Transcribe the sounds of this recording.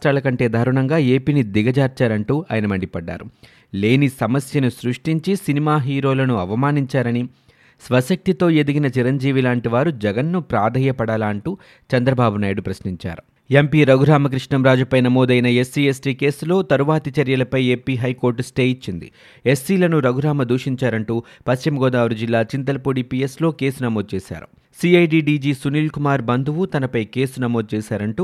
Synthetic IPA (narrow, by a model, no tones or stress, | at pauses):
ʈɾaːlɐkɐɳʈe̞ːd̪ʱaːɾuɳɐŋɡaːe̞ːpiːnid̪iɡɐd͡ʒaːɾt͡ʃaːɾɐɳʈuːa̰ːjɐnɐmɐɳɖipɐɖːa̰ːɾu | le̞ːnisɐmɐsjɐnusɾuʂʈiɲt͡ʃisinimaːɦiːɾo̞ːlɐnuɐʋɐmaːniɲt͡ʃaːɾɐni | sʋɐsɐk̚t̪it̪o̞ːe̞d̪iɡinɐt͡ʃiɾɐɲd͡ʒiːʋilaːɳʈiʋaːɾud͡ʒɛɡɐnːupɾaːd̪ʱɐjɐpɐɽaːlaːɳʈuː | t͡ʃɐnd̪ɾɐbaːbunaːjiɽupɾɐsniɲt͡ʃa̰ːɾu | empiːɾɐɡuɾaːmɐk̬ɾiʂɳɐmɾaːd͡ʒupɐjnɐmoːd̪ɐjnɐe̞sːiːesʈiːke̞ːsulo̞ːt̪ɐɾuʋaːt̪it͡ʃɐɾjɐlɐpɐjeːpiːɦɐjko̞ːɾʈsʈeːit͡ʃːind̪ḭ | e̞sːiːlɐnuɾɐɡuɾaːmɐd̪uːʂiɲt͡ʃaːɾɐɳʈuːpɐst͡ʃimɐɡɔːd̪aːʋɾud͡ʒilːaːt͡ʃint̪̬ɐlɐpoːɽipijeslo̞ːke̞ːsunɐmo̞ːd̪̚t͡ʃeːʃa̰ːɾu | siːɐjɖiːɖiːd͡ʒiːsuniːlkumaːɾbɐnd̪ʱuʋut̪ɐnɐpɐjke̞ːsunɐmo̞ːd̪̚t͡ʃeːʃaːɾɐɳʈuː